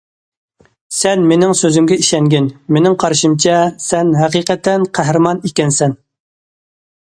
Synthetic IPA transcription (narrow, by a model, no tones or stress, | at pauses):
sɛnmenɪŋsøzymɡʲɛiʃɛŋɡʲɪnmenɪŋqʰɑɾʃimt͡ʃʰɛsɛnɦæqiqɛt̪ʰɛnqʰæɦɾɨmɑnikʲɛnsɛn